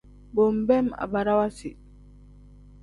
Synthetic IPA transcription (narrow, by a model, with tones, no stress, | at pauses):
bo˨mbɛ˦ma̰˨ba˨ɾa˦wa˦si˨